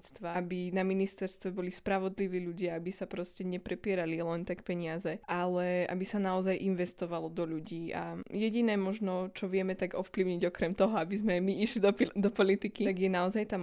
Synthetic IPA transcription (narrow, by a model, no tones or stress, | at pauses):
st̪ʋabinaminist̪ɛɾst̪ʋɛbɔlispɾaʋɔd̪liʋiːʎuɟɪaabisapɾɔscɛɲɛpɾɛpɪɛɾalilɛnt̪akpɛɲɪazɛʔalɛʔa̰bisanaɔzajʔinʋɛst̪ɔʋalɔd̪ɔʎuɟiːa̰jɛɟinɛːmɔʒnɔt͡ʃɔʋɪɛmɛt̪aɡɔfpliʊɲiɟɔkɾɛmt̪ɔɦɔabizmɛjmiiʃlid̪ɔd̪ɔpɔlit̪ikiaɡjɛnaɔzajt̪am